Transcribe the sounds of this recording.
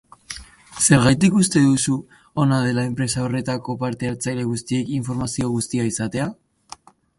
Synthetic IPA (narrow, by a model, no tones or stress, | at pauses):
se̞ɾɣajt̪ikust̪e̞ðusu | onað̞e̞lae̞mpɾe̞sao̞re̞t̪ako̞paɾt̪e̞eɾt͡sajle̞ɣust̪ie̞kiɱfo̞ɾmasio̞ɣust̪iaisat̪e̞a